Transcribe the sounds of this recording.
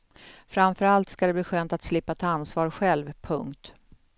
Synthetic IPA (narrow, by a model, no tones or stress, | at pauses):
fɾamfœɾalt̪skad̪ɛbliːɧøːnt̪at̪slɪpːat̪ʰːansvɑːɾɧɛlvpʰɵŋkt̪